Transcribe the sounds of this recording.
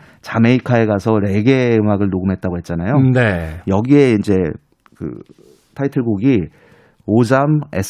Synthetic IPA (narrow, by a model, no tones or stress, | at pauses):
t͡ɕame̞ikʰae̞ɡasʰʌɾe̞ɡe̞ɯmaɡɯɭnoɡɯmɦe̞t̚t͈aɡoɦet̚t͡ɕ͈anajonejʌɡie̞ind͡ʑe̞ | kɯ̰ | tʰaitʰɯɡuɡi | od͡ʑame̞sʰ